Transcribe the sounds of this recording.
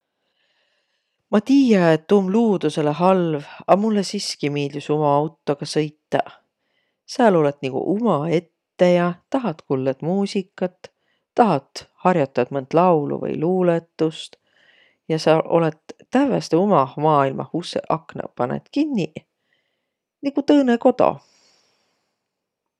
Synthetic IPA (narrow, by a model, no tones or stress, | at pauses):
mɑt̪iːjɑet̪ːumluːd̪̥use̞leɦɑlvɑmulːesiskimiːld̪ysumɑɑwt̪ːˑoɡ̥ɑsɤ̞jt̪ːˑɑ̰ | siɑlo̞le̞t̪nikɡ̥ṵʔumɑe̞t̪ːe̞jɑt̪ɑɦɑt̪kulːed̪̥muːsikːˑɑt̪ː | ɑɦɑt̪ˑhɑrjɑt̪ːˑɑd̪̥mɤnd̪̥lɑwlṵvɤ̰jluːlet̪ːˑust̪ | jɑsɑlʔo̞̰let̪ːævest̪eumɑhmɑːilmɑ̰husḛʔɑknɑ̰pɑnḛt̪kinːi | nikut̪ɤːneko̞t̪o̰